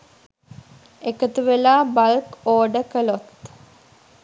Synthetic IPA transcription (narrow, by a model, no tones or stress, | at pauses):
ekət̪uʋelaːbalkoːɖəkəlot̪